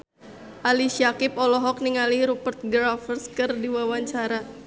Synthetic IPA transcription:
ʔaliʃiakɪp̚ɔlɔɦɔk̚niŋaliɾupərt̪̚ɡɾafərskɨrdiwawaɲt͡ʃaɾa

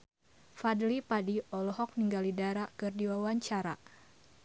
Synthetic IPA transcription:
fadlipadiɔlɔɦɔk̚niŋɡalidaɾakɨrdiwawaɲt͡ʃaɾa̰

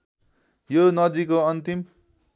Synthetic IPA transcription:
jonʌd̪ikoʌnt̪im

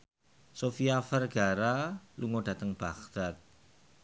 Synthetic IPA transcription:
sofiafərɡ̥aɾaluŋod̥ä̤t̪əŋb̥aχd̪̥at̪̚

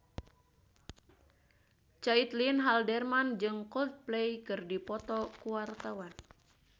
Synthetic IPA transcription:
t͡ʃait̪linɦaldɛrmand͡ʒɨŋkɔlt̪̚plejkɨrdipɔt̪ɔkuwart̪awan

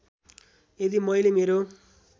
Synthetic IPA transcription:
ed̪imʌjlemeɾo

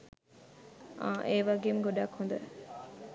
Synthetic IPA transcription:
aʔeːʋaɡemɡoɖaːkhõnd̪ɐ

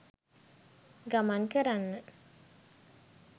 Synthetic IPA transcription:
ɡamankəɾanːə

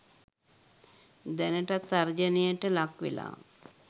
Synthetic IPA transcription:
d̪ɛnəʈat̪ːaɾd͡ʒənijəʈəlakʋḛla̰ː

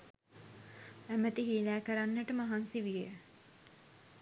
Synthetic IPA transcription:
æmət̪iɦiːlæːkəɾanːəʈəmaɦansiʋijə

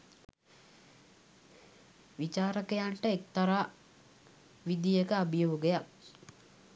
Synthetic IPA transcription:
ʋit͡ʃaːɾəkejaɳʈəek̚t̪aɾaː | ʋid̪ijəkəabijoːɡejak̚

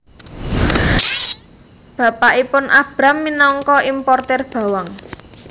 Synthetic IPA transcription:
b̥a̤paʔipʊnʔab̥ɾa̤mːinɔŋkɔʔimpɔrt̪ɛrb̥ä̤waŋ

